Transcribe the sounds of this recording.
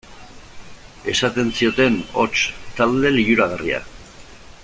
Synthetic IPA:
e̞sat̪e̞nsio̞t̪e̞no̞t͡ʃt̪ald̪e̞lijuɾaɣ̞aria̰

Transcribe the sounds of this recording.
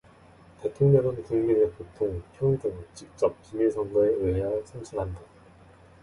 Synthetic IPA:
te̞tʰoŋɲeɾɯnkuŋmiɾepotʰoŋpʰjoŋidɯŋt͡ɕik̚t͡ɕ͈ʌp̚kimisʰʌŋɡʌeɯejaɯɭsʰamt͡ɕʰinɦanda

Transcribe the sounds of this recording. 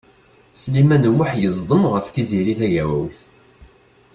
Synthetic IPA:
slimænwəħjəzˤd̪ˤəmʁəfθiziɾiθæʝæwæ̰wθ

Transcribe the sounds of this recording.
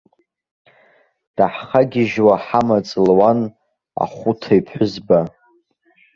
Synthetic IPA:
d̥aħχaɡʲɪʒwaħamat͡sʼlwan | a̰χʷʊtʰaipʰħʷʊzba

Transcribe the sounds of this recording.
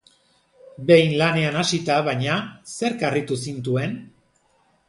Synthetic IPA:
be̞jnlane̞anasit̪aβajɲase̞ɾkarit̪usint̪ue̞n

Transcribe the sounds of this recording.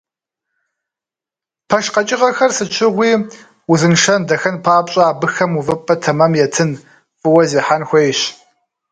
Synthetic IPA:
pʰɐʃqɐt͡ʃʼɪʁɐxɐrsɨt͡ʃʰɪʁʷiː | uzɨnʂɐndɐxɐnpʰaːpʼɕʼɐaːbɨxɐmuvɨpʼːɐtʰɐmɐmjɛtʰɨn | fʼɨwɐziːħanxʷejɕ

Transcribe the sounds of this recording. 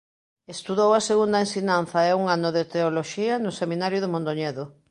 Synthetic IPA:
est̪uðowɐseɣund̪ɐensiɲanθɐɛuŋanʊðet̪eoloʃiɐnʊseminaɾjʊðɪmõnd̪oɲɛðo

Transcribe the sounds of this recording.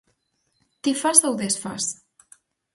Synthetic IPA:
t̪ifazawðesfas

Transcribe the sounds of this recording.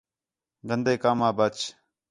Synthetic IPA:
ɡənd̪eːkaːmaːbət͡ʃ

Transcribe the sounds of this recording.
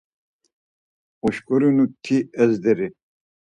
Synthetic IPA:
ɔʃkʼɔɾinut̪ʰiɛzd̪ɛɾi

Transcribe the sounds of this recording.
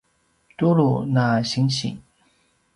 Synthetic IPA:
t̪ulunaɕiŋɕḭ

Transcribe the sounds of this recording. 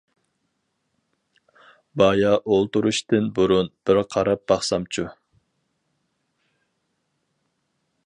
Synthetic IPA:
bɑjɑʔolˠt̪uɾuʃt̪ɨnbuɾunb̥ɪɾqʰɑɾɑp̚b̥ɑχsɑmt͡ʃʰu

